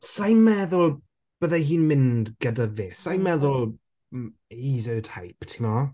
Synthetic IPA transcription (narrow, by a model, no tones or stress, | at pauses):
sajmmɛðʊlˠ | b̥əðaɦiːnmɪndɡ̥ədavɪsajmmɛðʊlˠ | izətʰajpʰtʰimɔ